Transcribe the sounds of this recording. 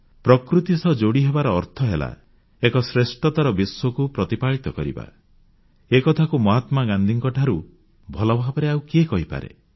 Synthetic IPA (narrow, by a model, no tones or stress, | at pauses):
pɾɔkɾut̪isɔd͡ʒoɽiɦebaɾɔːɾt̪ʰɔɦela̰ | ekɔsɾesʈɔt̪aɾɔbiswɔkupɾɔt̪ipaɭit̪ɔkɔɾḭba̰ | ekɔt̪ʰakumɔɦat̪maɡand̪ʱiŋkɔʈʰaɾu | bʱɔlɔbʱabɔɾeauwkekɔɦipa̰ɾḛ